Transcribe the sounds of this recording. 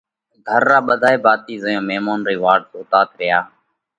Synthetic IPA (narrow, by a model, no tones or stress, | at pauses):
ɡʱəɾːaːɓəd̪ʱaːeːbaːt̪iːzəjõːmeːmaːnɾiːʋaːɾɖtoːt̪aːt̪ɾɪjaː